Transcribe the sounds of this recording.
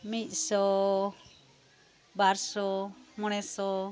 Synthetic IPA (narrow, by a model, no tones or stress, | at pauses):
mit̪̚ˀsɔ | baɾsɔmɔñɛsɔ